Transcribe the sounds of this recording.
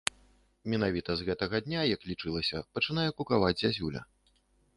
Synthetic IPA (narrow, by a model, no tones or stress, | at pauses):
mʲɛnavʲit̪ɐzɣɛt̪ɐɣɐd̪ʲnʲajɐklʲit͡ʂɨlˠɐsʲɐpɐt͡ʂɨnajɛkukavad͡zʲzʲazʲulʲɐ̰